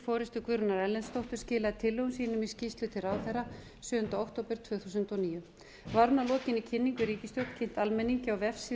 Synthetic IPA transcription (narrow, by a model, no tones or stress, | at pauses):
fɔːɾɪst̪ʏkvʏɾʏnaɾɛlːɛnst̪owht̪ʏɾ̥scɪːlaðɪt̪ʰɪlːʏwʏnsiːnʏmiscist̪lʏt̪ʰɪɾaːwθɛra | sʏːðʏnt̪aowkt̪owpɪɾ̥t̪ʰvʏːɣθusʏnt̪ɔniːjʏ | vaɾnalɔːcɪnicʰɪnːiŋkʏɾiːcɪst̪jowt̪cʰen̥t̪almɛnːiɲcɪawvɛfsi